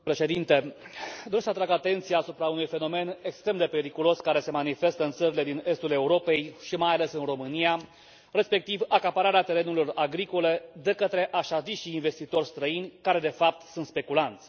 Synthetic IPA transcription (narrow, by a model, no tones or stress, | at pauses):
pɾe̞ʃe̞d̪int̪e̞d̪oɾesəat̪ɾaɡat̪e̞nt̪sijaːsupɾaunujfe̞no̞me̞ne̞kst̪ɾe̞md̪e̞pe̞ɾikulo̞skaɾe̞se̞manife̞st̪əɨnt̪səɾile̞d̪ine̞st̪ule̞uɾo̞pe̞jʃimajale̞sɨnro̞mɨnija | re̞spe̞k̚t̪ivakapaɾaɾeat̪e̞ɾe̞nuɾilo̞raɡɾiko̞le̞d̪e̞kət̪ɾe̞ʔaʃaziʃiːnve̞st̪it̪o̞rʲst̪ɾəinʲkaɾe̞d̪e̞fap̚t̪sunt̪spe̞kulant̪sʲ